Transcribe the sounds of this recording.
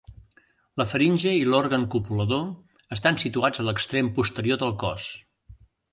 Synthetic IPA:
ləfəɾinʲʒəilɔɾɣəŋkupuləðo | əst̪ansit̪uad͡zələkst̪ɾempust̪əɾioðəlˠkɔ̰s

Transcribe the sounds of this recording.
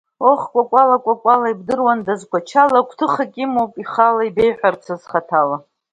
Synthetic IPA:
oχkʷʼakʷʼalakʷʼakʷʼalaibdɨrwandazkʷʰat͡ʃʰalakʷʰtʰɨχakʲʼimowpʼiχalaibejħʷᶣart͡sʷʰazχatʰala

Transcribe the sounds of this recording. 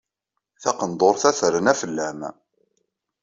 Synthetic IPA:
θæqənd̪ˤoɾˤθæθɾənæfəlːæm

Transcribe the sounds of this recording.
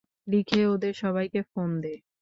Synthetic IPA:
likʰeod̪eɾʃɔβajkefond̪e

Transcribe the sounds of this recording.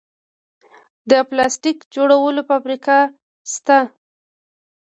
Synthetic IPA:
d̪əplɑsʈikd͡ʒoɽawəlopamɾikɑ | st̪a

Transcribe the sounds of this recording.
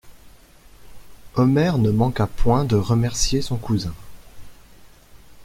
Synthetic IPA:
ɔmɛʁnəmɑ̃kapwɛ̃d̪əʁəmɛʁsjesɔ̃kuzɛ̃

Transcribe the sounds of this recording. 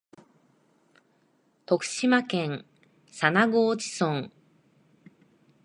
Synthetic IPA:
t̪o̞kɯ̟̥ɕimakẽ̞ŋ | sanaɡoːd͡ʑi̥sõŋ

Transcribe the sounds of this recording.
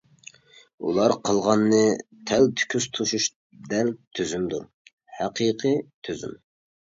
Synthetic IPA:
ṵlˠɑɾqʰəlˠʁɑnːɨt̪ʰɛlt̪ʰy̥kʲʰyst̪ʰuʃuʃ | d̪ɛlt̪ʰyzymd̪uɾ | hæqʰiqʰɨt̪ʰøzy̰m

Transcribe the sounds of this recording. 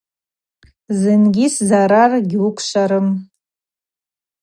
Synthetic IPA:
zɨnɡʲiszaɾarɡʲiukʷʰʃʷaɾɨm

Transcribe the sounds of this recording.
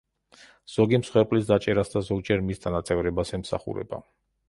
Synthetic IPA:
z̥ɔɡimsχwɛɾpʼlisd̪at͡ʃʼɛɾasd̪azɔɡd͡ʒɛɾmisd̪ʰanat̪sʼɛvɾɛbasɛmsa̰χṵɾɛ̰ba̰

